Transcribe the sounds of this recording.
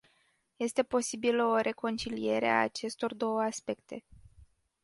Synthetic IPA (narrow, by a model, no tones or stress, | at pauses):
je̞st̪e̞po̞sibiləo̞ɾe̞ko̞nt͡ʃilije̞ɾea̰ːt͡ʃe̞st̪o̞rd̪o̞wəaspe̞kt̪e̞̰